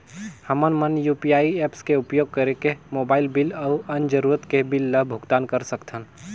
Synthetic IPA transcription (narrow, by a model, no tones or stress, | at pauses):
həmənmənjuːpijaːiɛːpskeʊpjoːɡ̚kəɾekemoːbaːɪlbɪləʊənd͡ʒəɾuːɾət̪kebɪlːəbʱʊɡt̪aːnkəɾsəkt̪ʰən